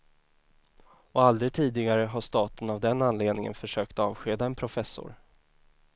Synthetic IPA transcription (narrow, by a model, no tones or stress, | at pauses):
ɔald̪ɾɪt̪ʰiːd̪ɪɡaɾəɦaʂt̪ɑːt̪ənavd̪ɛnanleːd̪nɪŋə̰nfœʂøːkt̪ɑːvɧeːd̪aɛnpʰɾʊfɛsːʊ̰ɾ